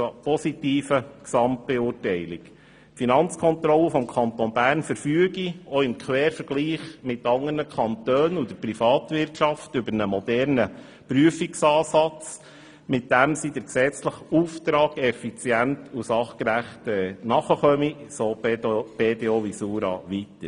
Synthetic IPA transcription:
pɔsitiːfəksɑmt̚b̥ɛuːrtɛɪlik | finɑnt͡skʰɔnt̪ɾɔlːəfɔmkʰɑnt̪onbæːɾnfəɾfyəɡioɪmkʰʋɛːɾfəɾɡ̥liːχmɪtːɑŋəɾnəkʰɑnt̪øːnud̥̪əprifɑːt̪ʋɪrtʃɑftʏbəɾnəmɔdɛɾnə | pɾyəfiksɑːsɑt͡s | mɪt̚d̥æmsid̥ɛksɛt͡sləχuːft̪ɾɑːɡɛfit͡sjæntʰusɑχkɾæχtɛnɑχəχœmisoːb̥eteoʋisuːɾɑ̰ʋitə

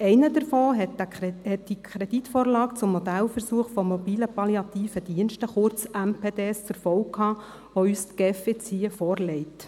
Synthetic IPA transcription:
ɛɪnədəɾfɔːɦɛhɛt̚d̥ikʰɾɛd̥itfoːɾlɑːkt͡sʊmːɔd̪ælfəɾsuəχfɔmːɔbiːləpɑljɑt̪iːfədiənʃtəχʊɾt͡sæmpʰeːdeːst͡sʊɾfɔwkʰhɑː | ʋoyːstɡ̥efet͡siːəfɔːrlɛɪt

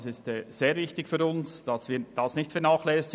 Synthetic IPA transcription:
sɪstɛz̥eːɾvɪçtɪkfyːɾʊnsd̥ɑsviːd̥ɑsnɪçtfɛɐnaːχlɛːs

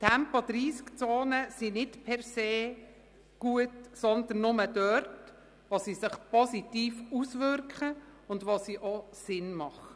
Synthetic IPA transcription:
tʰæmpod̪̥ɾiːskt͡soːnəsinɪtpʰɛrseː | ɡ̥uətsɔnd̪ənːʊməd̥œɾt | ʋosisɪχpɔsitiːfusʋʏɾkχəʊndʋosiʔosɪnmɑχə

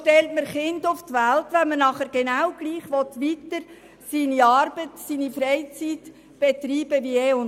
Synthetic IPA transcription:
ʃtɛltməɾχɪndʊft̪ʋæltʋɛnmənɑχəɾɡ̥enawɡ̥liːχʋɔt̪ʋitəɾ | siːniɑːɾb̥ətsiːnifɾɛɪt͡sit̪ | b̥ɛt̪ɾiːb̥əʋiɛːʊn

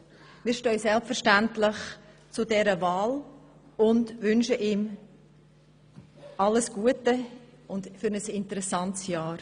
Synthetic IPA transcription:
miːɾʃtœʏsɛlpfəɾʃtæntlɪχ | t͡sʊdɛɾəvaːl | ʊndvʏnʃəʔiːm | ʔɑləsɡ̥uətə | ʊndfʏɾnəsɪntəɾɛsɑntsjɑːɾ

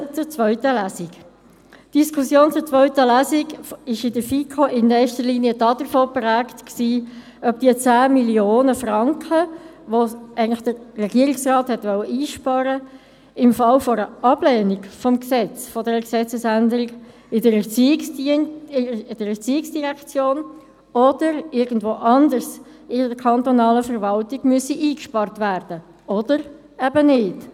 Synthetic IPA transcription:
t͡sʊɾt͡svœʏtəlæsik | d̥iskʰusjoːnt͡sʊt͡sʋœʏtəlæsiɡɪʃɪdəfikʰɔʔɪnːɛːʃtəʁliːniəd̥ɑːd̥əɾfoːpɾæːktksiː | œp̚d̥iət͡sæːmiljoːnəfʁɑŋkʰəʋoæɪɡənlɪχd̥ərɛɡiəɾiksʁɑːthɛt̪ʋœləʔiːʃpɑːɾə | ɪmfɑlfɔɾəʔɑblɛːniɡfɔmksɛt͡sfɔdɛɾəksɛt͡səsændəɾiɡ | ɪdəɾɛt͡siːɪksɪɪd̥əɾɛʁt͡siːɪksd̥iʁɛkt͡sjoːn | ɔd̥əɾɪɾɡn̩dvoːʔɑndəɾs | ɪdəkʰɑnt̪onɑːləfəʁvɑltiɡmyəsiʔiːkʃpɑrtvæːrd̥ə | ɔd̥əɾ | ɛbənɪt

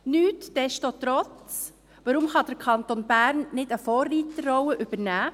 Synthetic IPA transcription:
nyːtd̥ɛsʃtot̪ɾɔt͡s | ʋɑɾʊmχɑd̥̪əɾkʰɑnt̪onbæːɾnnɪdəfɔːrːiːtəːɔwəʔʏb̥əɾnæː

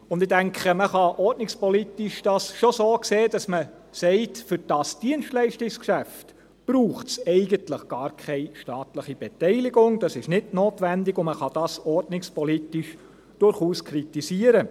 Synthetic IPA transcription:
ʊndɪdæŋkχəməχɑʔɔɾdnɪkspɔlitɪʃd̥ɑsʃosoːkseːd̥ɑsmə | sɛɪtfʏɾd̥ɑsd̥iənʃtlɛɪʃtɪkskʃæft | b̥ɾuːχtsɛɪɡəntləχɡ̥ɑːɾkʰɛɪʃtɑːtləχib̥ɛtɛɪlɪɡʊŋd̥ɑsɪʃnɪdnoːtʋændɪɡʊməχɑd̥ɑsɔrdnɪkspɔlitɪʃ | d̥ʊɾχuːskʰɾitisiəɾə

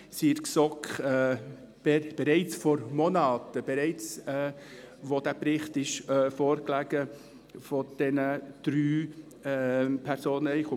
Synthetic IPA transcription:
siːɾksɔkχɛ̥ | ɛb̥ɛɾɛɪt͡sfɔɾmonɑːtəb̥ɛɾɛɪt͡sɛ | ʋod̥æpɾɪχtɪʃfoːɾklæɡ̥ə | fɔd̥ɛnəd̥ɾyː | pʰɛɾsoːnəɛχʊ

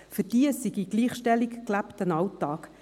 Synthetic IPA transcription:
fʏɾd̥iəsiɡiɡ̥liːχʃtɛlikklæptənɑwtːɑːk

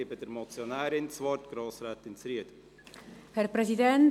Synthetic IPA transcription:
ebədɛɾmɔt͡sjonæːɾɪnt͡svɔrtɡ̥ɾoːsɾɛːt̪ɪnsɾiəd | hɛɾpɾɛzidɛn

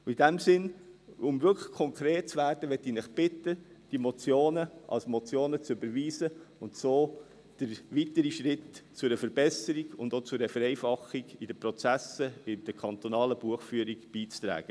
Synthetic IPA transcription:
idæmsɪnʊmvʏkʰə̥χkʰɔŋkʰɾeːt̚t͡sʋæːɾdəʋɛt̪ːiːnɪχb̥ɪt̪əd̥imɔt͡sjoːnəʔɑ̰lsmɔt͡sjoːnət͡søbəɾʋiːzəʊntsoː | d̥əɾʋitəɾiʃɾɪtt͡sʊɾəfəɾbɛsəɾiɡʊnd̪ot͡sʊɾəfəɾɛɪfɑχːiɡid̥əpɾot͡sæsəɪd̥əkʰɑnt̪onɑːləb̥uəχfyːəɾiɡb̥iːt͡st̪ɾæ̰ːɡ̥ə

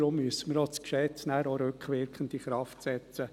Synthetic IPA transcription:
ɾʊmːyəsəməɾot͡skʃɛt͡snæːɾoɾøkχʋɪɾkʰənd̪iχɾɑftsɛt͡sə

